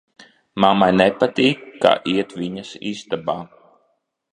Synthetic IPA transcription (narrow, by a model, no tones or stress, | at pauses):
mamajnɛpat̪iːkːa̰ːʔiɛt̪viɲasḭzd̪abaː